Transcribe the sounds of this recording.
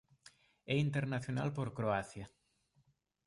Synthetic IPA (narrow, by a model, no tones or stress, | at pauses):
ɛint̪eɾnaθjona̰lpoɾkɾoaθja